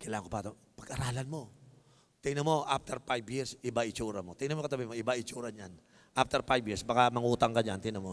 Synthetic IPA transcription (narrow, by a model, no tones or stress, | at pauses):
kɐjlaːɐŋkopaːt̪o | pɐɡʔɐɾaːlɐnmo̞ | t̪ɛjnɐmo̞ʔaf̚t̪ʰɛɾpajbjiɾsʔɪbaʔɪt͡ʃuːɾɐmot̪ɛjnɐmokɐt̪ɐbimoʔɪbaʔɪt͡ʃuːɾɐnjan | ʔaf̚t̪ɛɾpajbjiɹsbakamɐŋuːt̪ɐŋkɐɲant̪ɪnɐmo